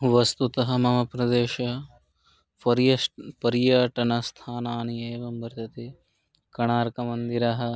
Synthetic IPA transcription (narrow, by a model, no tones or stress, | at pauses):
ʋɐst̪ut̪ɐɦɐ̆mɐmɐpɾɐd̪eːʃɐ | ɐpɐɾjɐʈɐnɐst̪ʰaːnaːnieːʋɐmbɐɾt̪ɐt̪i | kɐɳaːɾkɐmɐnd̪iɾɐɦɐ̆